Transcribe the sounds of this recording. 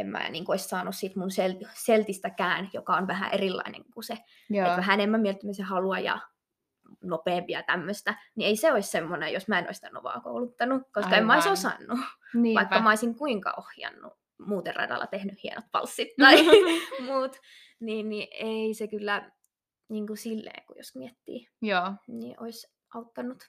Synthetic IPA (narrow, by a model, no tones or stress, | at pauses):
emmæ̰ːniːŋkuoissɑːnussit̪munselt̪selt̪ist̪ækæːnjokɑonʋæhæ̰ʔerilːɑ̰inḛŋkuse | oæɦæenemːæmielt̪ːæmisehɑluɑjɑ̰ | nopeːmpiɑt̪æmːøst̪ænieiseoissemːonejosmæeno̰isit̪æno̰ʋɑ̰ːko̰ulut̪ːɑnukoskɑemːæoisosɑ̰nːuʋɑikːɑmɑoisiŋkuiŋkɑ̰ʔohjɑ̰nːṵ | muːt̪erɑ̰d̪ɑ̰lːɑt̪ehnyhhienot̪pɑ̰lsːit̪ːɑimuːt̪ | niːnnieisekylːæ | niːŋkusilːḛːŋkujo̰smiet̪ːḭː | niʔois | ʔɑut̪ːɑnːut̪